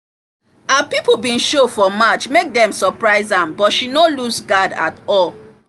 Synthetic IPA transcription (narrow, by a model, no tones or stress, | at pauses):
apipobĩnʃofɔmat͡ʃmek̚dɛ̃msɔpɹaɪzãmbɔtʃinoluzɡada̰tɔl